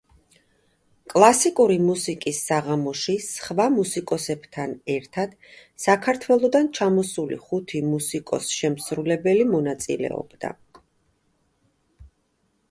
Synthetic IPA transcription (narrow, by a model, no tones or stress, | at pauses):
kʼlˠasikʼuɾimusikʼisːaʁamɔʃisχvamusikʼɔsɛb̥t̪ʰanɛɾt̪ʰad̪̥ | sakʰaɾt̪ʰwɛlˠɔd̪ant͡ʃʰamɔsulḭχut̪ʰimusikʼɔ̰sʃɛmsɾulɛbɛlimɔnat̪sʼḭlɛ̰ɔ̰bd̪a̰